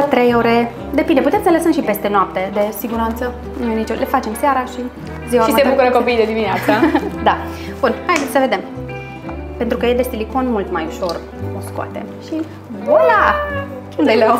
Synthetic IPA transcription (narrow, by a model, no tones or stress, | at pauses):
t̪ɾejoɾe̞ | d̪e̞pind̪e̞put̪emsələsəmʃipe̞st̪e̞noap̚t̪e̞d̪e̞siɡuɾant̪sə | nujenit͡ʃole̞fat͡ʃe̞msjaɾaʃi | ziwaʃisebbukuɾəkopijd̪ed̪imineat̪səd̪ab̥unhajd̪et̪ʲsəve̞d̪e̞m | pent̪ɾukəje̞d̪est̪iliko̞nmult̪majuʃo̞r | oskoa̰t̪e̞̰ʃi | bola | kumd̪ele